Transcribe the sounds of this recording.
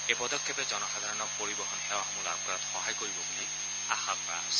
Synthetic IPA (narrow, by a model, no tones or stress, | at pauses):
epɔdɔkʰːjɔpɛzɔnɔxad̪ʱaɹɔnɔpoɹibɔɦɔnxɛwaɔmula̰b̚ʱkɔɹatxɔɦajkoɹibɔbulej | axak̚paaɔsɛ̥